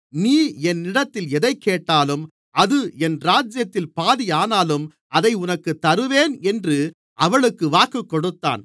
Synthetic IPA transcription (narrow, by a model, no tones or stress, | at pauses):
niːɛnːɪɽɐt̪ːɪlɛðɐɪkːeːʈːaːlɯm | ɐðɯɛnɾaːd͡ʒjɐt̪ːɪlpaːðijaːnaːlɯm | ʔɐðɐɪʊnɐkːɯt̪ːɐɾɯʋeːnɛndrɯ | ʔɐʋɐɭɯkːɯʋaːkɯkːɔɽɯt̪ːa̰ːn